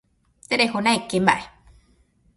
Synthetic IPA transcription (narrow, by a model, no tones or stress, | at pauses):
t̪eɾehonãekembaʔe